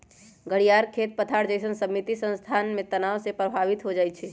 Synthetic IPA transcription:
ɡəɽijaɾkʰet̪̚pət̪ʰaɾd͡ʒəɪsənsəmit̪isə̃nst̪ʰanmet̪ənawsepɾəbʱaʋit̪ɦod͡ʒajt͡ʃʰɛ

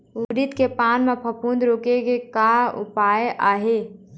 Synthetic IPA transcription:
uɾit̪kepaːnmẽpʰəpund̪ɾoːkekekaʊ̰paːjeʔaːɦe

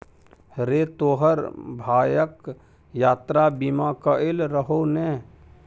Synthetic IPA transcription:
ɾeːt̪oːɦəɾbʱaːjək | jaːt̪ɾabimaːkəɪlɾəɦonɛ̃ː

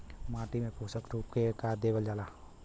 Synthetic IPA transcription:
mãːʈimẽpuːsəkɾuːp̚kekaːɾd̪eːɡəld͡ʒaːlaː

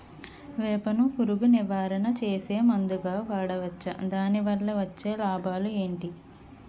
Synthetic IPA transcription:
ʋɛːpɐnukuɾuɡuniʋaːɾɐnɐt͡ʃeːse̞ːmɐnd̪uɡaːʋaːɽɐʋɐt͡ʃːɐ̰d̪aːniʋɐɭːɐʋɐt͡ʃːe̞ːlaːbʱaːlue̞ːɳʈi

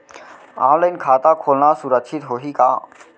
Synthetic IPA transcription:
ã̰ːləjnkʰaːt̪akʰoːlnasuɾəkt͡ʃʰit̪ɦoɦika̰ː

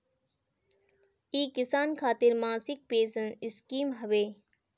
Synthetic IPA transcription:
iːkɪsaːnkʰaːt̪ɪɾmãːsɪk̚peːsənɪskiːmɦɐʋeː

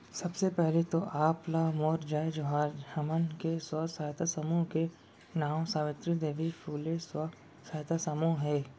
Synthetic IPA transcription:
sɐbsepɛɦlet̪oʔaːplamoːɾd͡ʒaːed͡ʒoɦaːd͡ʒhɐmənkeswɐsaːt̪asəmuːɦke | naːw̃saːʋɪ̃t̪ɾid̪eːʋifʰuːleswɐ | saːjt̪ʰasəmuːɦɦɛː

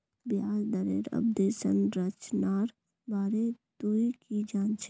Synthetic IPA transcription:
bjaːsd̪əɾeːɾɐ̰b̚d̪eːʃənɾət͡ʃnaːɾ | baːɾed̪uikid͡ʒaːnt͡ʃʰ

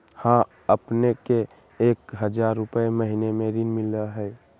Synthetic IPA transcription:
hã | əpnekeː | kɦəd͡ʒaːɾːʊpəeməɦinemẽɾiːnmɪləɦɛː

